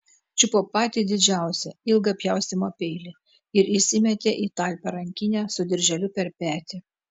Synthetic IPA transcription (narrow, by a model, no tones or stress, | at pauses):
t͡ʃʲɪpoːpɑːt̪ʲiːd̪ʲɪd͡ʒʲæˑʊsʲɛɪlˠɡɐpʲjɛˑʊst̪ʲɪmopʲɛɪlʲɪ | ɪɾɪsʲɪmʲɛt̪ʲeːʔiːt̪ɑːˑlʲpʲɛɾɐŋʲkʲɪnʲɛːsʊd̪ʲɪɾʲʒʲɛlʲʊpʲɛɾpʲæːt̪ʲɪ